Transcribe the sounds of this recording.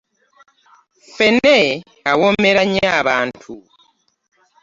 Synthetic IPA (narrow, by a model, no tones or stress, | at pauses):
fene | awomeɾaɲeaβaːntʰu